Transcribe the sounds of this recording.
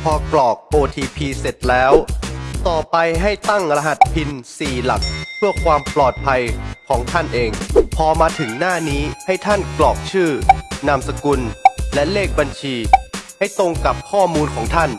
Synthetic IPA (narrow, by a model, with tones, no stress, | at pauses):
pʰɔː˧klɔː˨˩k̚ʔoː˧t̪ʰiː˧pʰiː˧se˨˩t̪̚lɛː˦˥wwt̪ɔː˨˩pa˧jɦa˥˩jt̪a˥˩ŋɾa˧ɦa˨˩t̪̚pʰi˧nsiː˨˩la̰˨˩k̚pʰɯ˥˩əkʰwaː˧mplɔː˨˩t̪̚pʰa˧jkʰɔː˩˦ŋt̪ʰa˥˩nʔeː˧ŋpʰɔː˧maː˧t̪ʰɯ˩˦ŋnaː˥˩niː˦˥ha˥˩jt̪ʰa˥˩nklɔː˨˩k̚t͡ɕʰɯː˥˩na˧msa˧ku˧nlɛ˦˥leː˥˩k̚ba˧nt͡ɕʰiː˧ha˥˩jt̪o˧ŋka˨˩p̚kʰɔː˥˩muː˧nkʰɔː˩˦ŋt̪ʰa˥˩n